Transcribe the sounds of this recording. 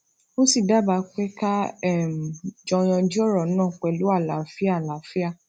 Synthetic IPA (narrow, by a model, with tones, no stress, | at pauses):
mo˦si˦˨da˦˨ba˨˧˦k͡pɛ˦ka˦ɛ˦˨m˨d͡ʒɔ̃˧j̃ɔ̃˧d͡ʒi˦ɔ˦˨ɾɔ˨˦nã˦˨k͡pɛ˨lu˨˦a˦˨la˨fi˦a˦˨la˨fi˦a˦˨